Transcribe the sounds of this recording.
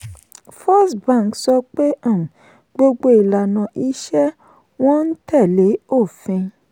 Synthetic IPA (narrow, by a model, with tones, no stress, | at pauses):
fɔ˦sbã˦˨ksɔ˧k͡pe˦ã˦˨ | ɡ͡bo˧ɡ͡bo˧i˨la˨nã˨ʔi˧˦ʃɛ˦ | w̃ɔ̃˦n̩˦tɛ˦˨le˨˦o˦˨fĩ˧